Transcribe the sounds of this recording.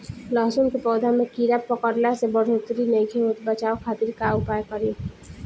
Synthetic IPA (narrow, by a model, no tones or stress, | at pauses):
lɔɦsunkepɔːd̪ʱamẽkiɾapːɔkəɾlasebɔɽ̤ʱot̪ɾinejɡʰʱeɦot̪bət͡ʃaːokʰaːt̪ɪɾkaʊpaːjkɔɾi